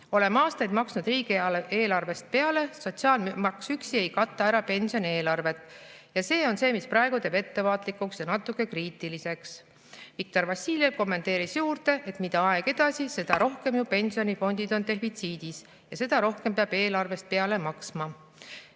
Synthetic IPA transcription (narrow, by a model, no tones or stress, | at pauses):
o̞le̞mɑːst̪ɑjd̪mɑksnud̪riːɡleːlɑrve̞st̪̚pe̞ɑle̞so̞t̪ʲsiɑːlmmɑksyksie̞jkɑt̪ːɑæɾɑpe̞nsio̞ne̞ːlɑrve̞t̪ˑ | jɑse̞ːo̞nse̞ːmisprɑe̞ɡ̥ut̪e̞ːbe̞t̪ːe̞vɑːt̪ˑlikːuksjɑnɑt̪ːˑukːˑe̞kriːt̪ːˑilise̞ks | vik̚t̪o̞rvɑsʲːiːljevko̞mːent̪e̞ːɾisjuːrt̪e̞ʔet̪mid̪̥ɑɑe̞ɡ̥e̞d̪ɑsise̞d̪ɑɾo̞hke̞mjupe̞nʲsio̞nifo̞nʲd̪̥id̪̥o̞nt̪e̞ɦfit̪siːd̪̥is | jɑse̞d̪̥ɑɾo̞hkempeɑb̥e̞ːlɑrve̞st̪̚pe̞ɑle̞mɑksmɑ